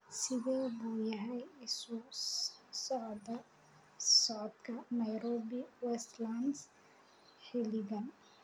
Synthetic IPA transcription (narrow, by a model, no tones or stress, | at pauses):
sɪðiːbuːjɐɦɛjɪsu | sɔʕd̪ɐ | sɔʕd̪kʰɐnɐjɾɔːbiwɛst̪lans | hɪliɡɐn